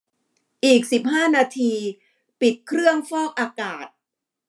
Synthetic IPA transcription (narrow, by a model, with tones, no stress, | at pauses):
ʔiː˨˩k̚si˨˩p̚haː˥˩naː˧t̪ʰiː˧ | pi˨˩t̪̚kʰɾɯ˥˩əŋfɔː˥˩k̚ʔaː˧kaː˨˩t̪̚